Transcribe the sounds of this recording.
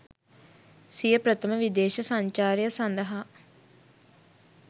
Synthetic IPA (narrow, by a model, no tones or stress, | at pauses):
sijəpɾət̪əməʋid̪eːʃɐsaɲt͡ʃaːɾjəsand̪əɦa